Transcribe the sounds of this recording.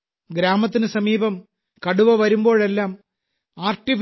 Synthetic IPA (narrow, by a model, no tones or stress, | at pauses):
ɡɾaːmɐt̪̬ːinɨsɐmiːbɐm | kɐɽuʋɐʋɐɾumbo̞ːɭe̞lːaːm | aːrʈif